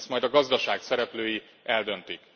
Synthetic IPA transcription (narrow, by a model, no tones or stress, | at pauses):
st̪mɒjd̪ɒɡɒzd̪ɒʃaːksɛɾɛpløːji | ɛld̪ønt̪ik